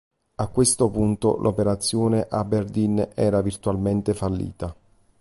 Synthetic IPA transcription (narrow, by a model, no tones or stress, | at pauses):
akːwest̪opunt̪o̰lʔopeɾat̪sːjoːneʔabːerd̪inɛːɾavirt̪uwalment̪efalːḭːt̪a